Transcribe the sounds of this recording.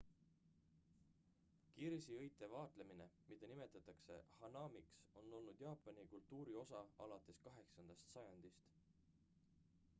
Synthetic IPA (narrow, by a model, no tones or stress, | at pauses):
kiɾsiɤjt̪ːˑe̞vɑːt̪le̞mine̞mid̪̥ɑnime̞t̪ːˑɑt̪ːˑɑkse̞̰hɑnɑːmikso̞nːo̞lnud̪̥jɑːpːˑɑnikult̪ːuːɾio̞sɑɑlɑt̪ːˑe̞skɑɦe̞ksɑnd̪̥ɑst̪sɑjɑnd̪̥ist̪